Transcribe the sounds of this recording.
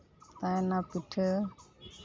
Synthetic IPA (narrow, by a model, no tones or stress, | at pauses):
t̪anapiʈʰə